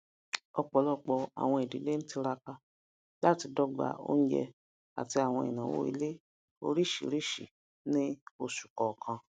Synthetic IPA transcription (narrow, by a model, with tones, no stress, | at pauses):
ɔ˧k͡pɔ˨lɔ˦k͡pɔ˧a̰˨w̃ɔ̃˧e˨dḭ˨˦le˦ñ̩˦ti˧ɾa˧ka˧ | la˦ti˧dɔ˦ɡ͡ba̰˨o̰˦n̩˦d͡ʒɛ̰˧ | a̰˨ti˧a˨w̃ɔ̃˧ḭ˨nã˨wo̰˦ḭ˧le˦ | o̰˧˦ɾi˦˨ʃḭ˨ɾi˦˨ʃḭ˨ | nĩ˦o˧ʃu̥˨kɔ˨kʰã˧